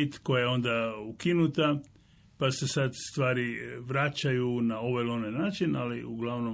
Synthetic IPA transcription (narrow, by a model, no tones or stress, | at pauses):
it̪ko̞jajeo̞nd̪aukinut̪a | pase̞sad̪st̪ʋaːɾiʋɾat͡ʃajunao̞ʋajlonenaːt͡ʃinaliṵɡlaʋno